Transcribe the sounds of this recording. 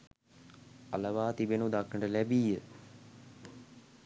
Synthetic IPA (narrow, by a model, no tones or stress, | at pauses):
a̰ləʋaːt̪ibenud̪akːəɳʈəlæbijə